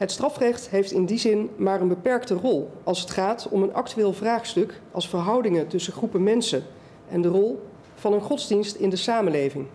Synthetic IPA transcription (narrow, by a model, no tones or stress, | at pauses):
ɦətstrɑfrɛχtɦejftɪndizɪnmaːrənbəpɛɹktərɔlˠɑlˠsətχaːtɔmənʔɑ̰k̚tyʋɪːlˠvraːχstɵkʔɑ̰lˠsfəɹɦʌwdɪŋətɵsəχrupəmɛnsən | ʔɛndərɔlˠ | v̥ɑnənχɔdzdinstɪndəsaːməlejvɪŋ